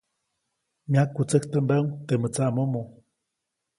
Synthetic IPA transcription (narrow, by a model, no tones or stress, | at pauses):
mjakːut͡səht̪əmbəŋt̪emət͡saʔmomo